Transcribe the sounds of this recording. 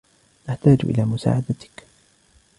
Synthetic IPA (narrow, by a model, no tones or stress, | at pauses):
ʔaħt̪aːd͡ʒʔɪ̰laːmʊsa̰ːʕad̪at̪ɪ̥k